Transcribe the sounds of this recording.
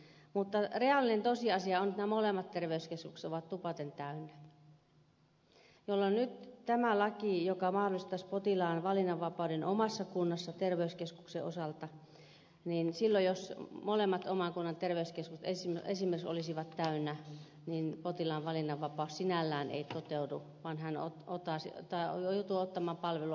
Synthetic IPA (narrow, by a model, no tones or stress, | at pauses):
mut̪ːɑreɑlːinent̪osiɑsiɑonet̪næmolemːɑt̪t̪erʋeyskeskukst̪oʋɑt̪t̪upɑt̪ent̪æynːæ | jolːonnyt̪t̪æmælɑkijokɑmɑhdolist̪ɑspot̪ilɑːnʋɑlinːɑʋʋɑpɑˑudenʔomɑsːɑkunːɑsːɑt̪erʋeyskeskukseʔo̰sɑlt̪ɑ | ninsilːojosmolemːɑt̪omɑŋkunːɑnt̪erʋeyskeskust̪esiḛsimerkso̰lisiʋɑt̪tæynːæ | ninpot̪ilɑːʋʋɑlinːɑʋʋɑpɑˑussinælːæːnḛit̪ot̪eudu | ʋɑnhæno̰t̪ot̪ɑˑsit̪ɑjojout̪uot̪ːɑmɑːmpɑlʋeluɑ